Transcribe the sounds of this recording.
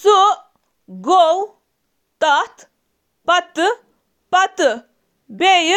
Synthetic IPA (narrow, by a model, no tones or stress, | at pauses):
suʔ | ɡow | t̪ɐt̪ | pɐt̪ | pɐt̪ | bej